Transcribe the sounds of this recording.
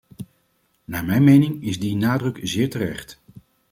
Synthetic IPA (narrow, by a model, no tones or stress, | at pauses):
naːɹmɛjnmejnɪŋɪzdinaːdrɵkzɪːɹtərɛ̰χt